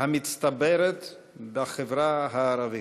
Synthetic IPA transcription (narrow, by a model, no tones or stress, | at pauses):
hamitt͡st̪abɛɾɛt̪ | baχevɾaɦaːɾavi